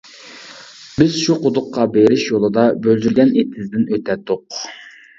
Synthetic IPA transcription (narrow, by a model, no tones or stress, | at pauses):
bɪz̥ʃuqʰʊd̪ʊqːɑbeɾɪʃjolˠɨd̪ɑbøld̪yɾɡʲɛnet̪ʰɪzd̪ɪnøt̪ʰɛt̪ːʊq